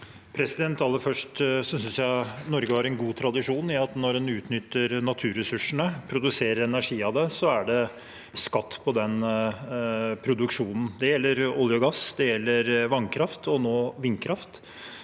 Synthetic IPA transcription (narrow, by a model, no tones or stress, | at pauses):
pʰɾɛsɪd̪ɛnt̪ɑlːəɾfœʂʈsɔsʏnsjæɪnɔɾɡəhɑɾɛnɡuːt̪ʰɾɑd̪ɪʂuːnɪɑt̪nɔɾɛnʉːt̪nʏt̪ːəɾnɑt̪ʰʉːɾɛsʉʂəɳəpʰɾʊd̪ʉseːɾəɾɛnæʂiːɑd̪ɛsɔæɖɛ | skɑt̪ːpʰɔd̪ɛn | pʰɾʊd̪ʉkʂuːnn̩d̪ɛjɛlːəɾɔljəɡɑsd̪ɛjɛlːəɾʋɑnkʰɾɑft̪ɔnoːʋɪnkʰɾɑft̪